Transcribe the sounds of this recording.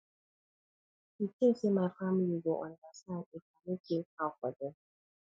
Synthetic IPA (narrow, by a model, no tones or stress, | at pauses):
itesemafam̩liɡoʔɔ̰ndasanekamekekakʷɔdɔ